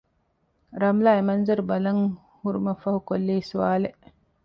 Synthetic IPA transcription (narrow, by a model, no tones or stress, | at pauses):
ɾamlaimanzəɾbalaŋ | huɾmafahukolːejsuwaːle